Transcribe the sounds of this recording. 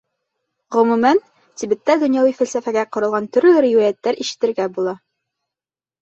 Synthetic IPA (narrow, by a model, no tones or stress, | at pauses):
ʁɵ̆mʉmæn | t̪ibɘ̆t̪ːæd̪ɵ̆njɑw̪ˠifælsæfæɡæqŏɾɤ̆lˠʁɑnt̪ɵ̆ɾlɘɾiwæjæt̪ːæɾiʃɘ̥̆t̪ɘ̆ɾɡæbulˠɑ